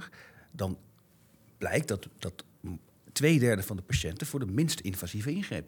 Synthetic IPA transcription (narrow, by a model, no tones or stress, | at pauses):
dɑn | b̥lɛ̰jk̚dɑtdɑt | tʋejdɛɹdəvɑndəpaʃɛntəvʊːɹdəmɪnstɪnvazivəɪnχrḛjp